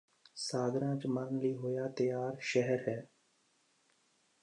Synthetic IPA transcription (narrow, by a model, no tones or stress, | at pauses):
saːɡ̪ɾãːt͡ʃməɾənliːɦoːjaːt̪əjaːɾʃɛɦəɾɦɛː